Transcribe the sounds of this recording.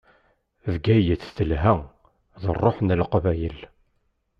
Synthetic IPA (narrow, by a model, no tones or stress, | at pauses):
vɡæjəθθəlɦæ | ðˤərˤːoħnəlqvæjəl